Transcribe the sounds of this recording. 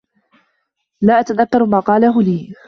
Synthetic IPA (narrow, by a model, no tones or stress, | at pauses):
laːʔat̪aðakːɑɾˤmaːqɑːlaɦʊliː